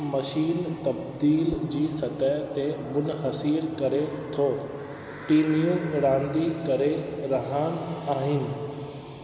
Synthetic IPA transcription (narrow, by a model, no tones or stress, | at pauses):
mɐʃiːnt̪ɐbd̪iːld͡ʑiːsɐt̪ət̪emʊnɦɐsiːɾkɐɾet̪ʰoː | ʈiːnijũɽãːnd̪ikɐɾeɾɐɦanaːɦɪnɪ̆